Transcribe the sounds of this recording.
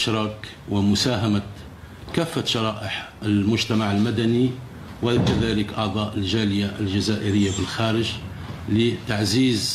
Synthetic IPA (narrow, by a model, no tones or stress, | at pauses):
ʃɾˤɑːk | wɪmʊsaːɦama | kæːfːaʃɑɾˤɑːʔəħəlmʊʒt̪amaʕəlmad̪æni | wakaðaːləkʔɑʕd̪ˤɑːʔəlʒaːlɪjaʔlʒazaːʔəɾɪjːabɪlxæːɾəʒ | lit̪aʕziːz